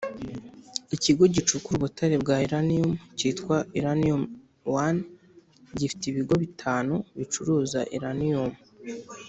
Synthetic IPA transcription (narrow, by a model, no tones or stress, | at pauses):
iciɡo̞ɟit͡ʃukuɾuβutaɾebɡaiɾaniumcitkwaiɾaniom | wan | ɟifi̥tiβiɡo̞βitʰaːnuβit͡ʃuɾuːzaʔḭɾanium